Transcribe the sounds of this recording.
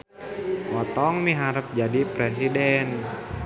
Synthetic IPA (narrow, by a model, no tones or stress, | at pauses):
ʔɔt̪ɔŋmiɦaɾəp̚d͡ʒadipɾɛs̬idɛn